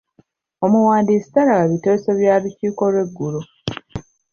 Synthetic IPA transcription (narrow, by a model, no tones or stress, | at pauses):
omuwaːndiːsi̥taɾaɡaβiteːseβjaːβiciːko̞lwe̞ɡːulo